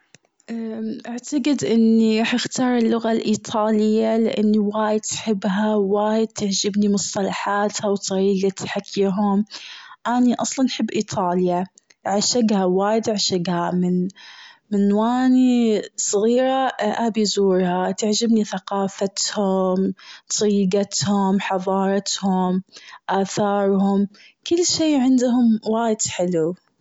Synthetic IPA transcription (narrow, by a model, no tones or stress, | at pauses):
ʔaʔaʕt̪aɡɪd̪ʔɪnːiɾˤɑːħʔɪxt̪ɑːɾˤɪlːʊɣalʔiːt̪ˤʰɑːlɪjːalɪʔanːiwaːjɪd̪̚t̪ħɪbːɦawaːjɪd̪̚t̪aʕd͡ʒɪbnimʊsˤt̪ˤɑlɑħaːt̪hawt̪ˤɑɾiːɡat̪ħakʰːiːɦʊmʔaniʔɑsˤlɑnħɪbːʔiːt̪ˤʰɑːlja | ʕaʃaɡhawaːjɪd̪ʕaʃaɡhamɪn | mɪnwaːnisˤɣiːɾaʔabizuːɾhat̪aʕd͡ʒɪbniθaqɑːfat̪hʊmt̪ˤɑɾiːɡat̪hʊmħɑðˤɑːɾˤɑt̪hʊmʔaːθɑːɾˤhʊm | kʊlːʃeːʕɪnd̪ɦʊmwaːjɪd̪ħɪlu